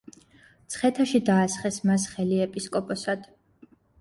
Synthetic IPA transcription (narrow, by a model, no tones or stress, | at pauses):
t̪sʰχɛt̪ʰaʃid̪aːsχɛsmas̬χɛliɛpʼiskʼɔpʼɔsad̪̥